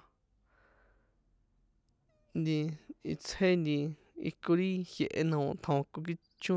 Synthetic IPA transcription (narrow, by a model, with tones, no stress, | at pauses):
nd̪i˧i˧t͡sʰhe˦nd̪i˧ | ḭ˧ko˧ɾi˦hje˧ʔe˧nã˧ũ˧t̪ʰõ˧ko˧k̬i˧ | t͡ʃũ˦